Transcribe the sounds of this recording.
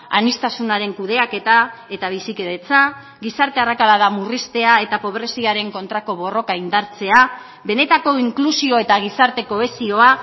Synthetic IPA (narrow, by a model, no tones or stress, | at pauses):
a̰nist̪asunaɾe̞ŋkuð̞e̞ake̞t̪ae̞t̪aβ̞isike̞ðe̞t͡sa | ɡisaɾt̪e̞arakalað̞amurist̪e̞ae̞t̪apo̞β̞ɾe̞siaɾe̞ŋko̞nt̪ɾako̞βo̞ro̞kaind̪aɾt͡se̞a | βe̞ne̞t̪ako̞iŋklusio̞e̞t̪aɣ̞isaɾt̪e̞ko̞e̞sio̞a